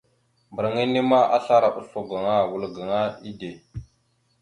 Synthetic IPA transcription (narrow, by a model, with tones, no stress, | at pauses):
mbə˨ɾŋi˦ne˦ma˦ʔa̰˦ɬa˦ɾa˨ɓu˦so˨ɡa˨ŋa˦wu˨lɡa˨ŋa˦i˦de˨